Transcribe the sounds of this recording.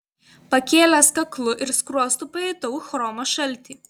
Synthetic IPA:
pɐkʲeːlʲæskɐklˠʊʔɪɾskɾuɔst̪uːpɐɛɪt̪ɐʊxɾɔːmɐʃɐlʲt̪ʲiː

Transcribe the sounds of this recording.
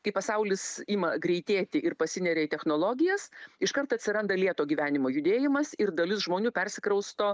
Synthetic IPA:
kɐɪpɐsɐʊlʲɪsiːmɐɡɾʲɛɪt̪ʲeːt̪ʲɪʔɪɾpɐsʲɪnʲɛɾʲeːt̪ʲɛxnoːlˠoːɡʲɪjɛsɪʃkɐrt̪ɐt̪ʲsʲɪɾɐnd̪ɐlʲiɛt̪oːɡʲiːʋʲæːnʲɪmoːjʊd̪ʲeːjɪmɐsɪɾd̪ɐlʲʊsʒmoːnʲuːpʲɛrʲsʲɪkɾɐʊst̪oː

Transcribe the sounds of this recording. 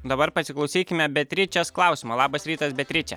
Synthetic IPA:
d̪ɐbɐɾpɐsʲɪklˠɒʊsʲiːkʲɪmʲɛbʲɛt̪ʲɾʲɪt͡ʃʲɛsklˠɑˑʊsʲɪmoːlˠɑːbɐsɾʲiːt̪ɐsbʲɛt̪ʲɾʲɪt͡ʃʲɛ̰

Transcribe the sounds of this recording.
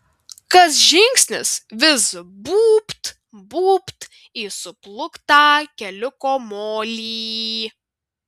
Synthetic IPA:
kɐs̬ʒʲɪŋʲksʲnʲɪsʋʲɪsbuːpt̪ | buːpt̪ | isʊplˠʊkt̪ɑːkʲɛlʲʊkoːmoːlʲiː

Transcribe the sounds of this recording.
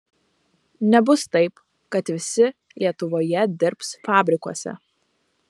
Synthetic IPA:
nʲɛbʊst̪ɐɪp | kɐt̪ʋʲɪsʲɪ | lʲiɛt̪ʊʋoːjɛd̪ʲɪɾpsfɑːbʲɾʲɪkuɔsʲɛ̰

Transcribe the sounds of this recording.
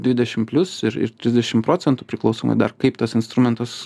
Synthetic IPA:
d̪ʲʋʲɪd̪ʲɛʃʲɪmpʲlʲʊsɪɾɪ̰ɾt̪ʲɾʲɪzʲd̪ʲɛʃʲɪmpɾoːsʲɛnt̪upʲɾʲɪklˠɐʊsoːmɐ̰d̪ɐrkɐɪpt̪ɐsɪnst̪ɾʊmʲɛnt̪ɐs

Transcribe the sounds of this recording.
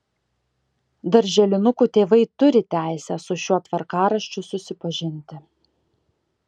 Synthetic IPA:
d̪ɐɾʲʒʲɛlʲɪnʊkuːt̪ʲeːʋɐɪt̪ʊɾʲɪt̪ʲæˑɪsʲɛsʊʃʲuɔt̪ʋɐɾkɑːɾɐʃʲt͡ʃʲʊsʊsʲɪpɐʒʲɪnʲt̪ʲɪ

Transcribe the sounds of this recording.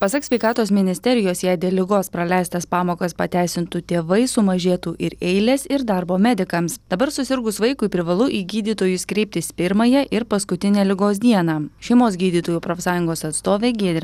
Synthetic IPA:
pɐsɐksʲʋʲɛɪkɑːt̪oːsmʲɪnʲɪsʲt̪ʲɛɾʲɪjoːsjɛɪd̪ʲeːlʲɪɡoːspɾɐlʲɛɪst̪ɐspɑːmoːkɐspɐt̪ʲæˑɪsʲɪnt̪ut̪ʲeːʋɐɪsʊmɐʒʲeːt̪uːʔɪɾɛɪlʲesɪɾd̪ɐɾboːmʲɛd̪ʲɪkɐmsd̪̥ɐbɐɾsʊsʲɪɾɡʊsʋɐɪkʊɪpʲɾʲɪʋɐlˠʊʔiːɡʲiːd̪ʲiːt̪oːjʊskɾʲɛɪp̚t̪ʲɪspʲɪɾmɐjɛʔɪɾpɐskʊt̪ʲɪnʲeːlʲɪɡoːs̬d̪ʲiɛnɑːʃʲɛɪmoːsɡʲiːd̪ʲiːt̪oːjuːpɾoːfsɑːjʊŋɡoːsɐt̪st̪oːʋʲeːɡʲiɛd̪ʲɾʲ

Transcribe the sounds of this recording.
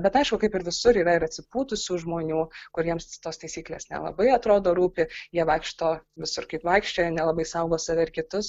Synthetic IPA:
bʲɛt̪ɐɪʃkʊkɐɪpɪɾʋʲɪsʊɾiːɾɐɪɾɐtʲsʲɪpuːt̪ʊsʲuːʒmoːnʲuːkʊɾʲiɛmst̪oːst̪ɐɪsʲiːklʲḛːsnʲɛ̰lˠɐ̰bɐɪɐt̪ɾoːd̪oːɾuːpʲɪjiɛʋɐɪkʃt̪oːʋʲɪsʊɾkɐɪpʋɐɪkʃʲt͡ʃʲoːjnʲɛlˠɐbɐɪsɐʊɡoːsɐʋʲɛɪɾkʲɪt̪ʊs

